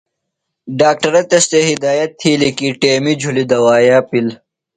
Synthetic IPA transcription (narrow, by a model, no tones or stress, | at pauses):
ɖaːk̚ʈɐɾɐt̪est̪eɦid̪aːjɐt̪ʰːiːlikiʈeːmid͡ʑʱulid̪ɐwaːjaːpil